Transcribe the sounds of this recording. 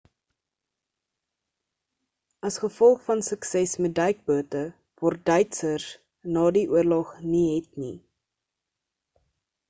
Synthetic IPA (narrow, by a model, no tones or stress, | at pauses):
ɐsχəfɔlˠχfɐnsəksɛsmɛt̚dəjk̚buətə | vɔrt̚dœjtsər | nɑːdiʔuərlɔχniɦɛtnḭ